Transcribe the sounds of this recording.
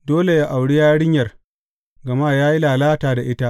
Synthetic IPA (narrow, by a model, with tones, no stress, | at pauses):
doː˦le˨ja˦ʔa˨wɽi˦jaː˦ɽɪ˦ɲjɐ˨r | ɡɐ˨ma˦jaː˦ji˦laː˨laː˦taː˨da˨ʔɪ˦ta˦ʔ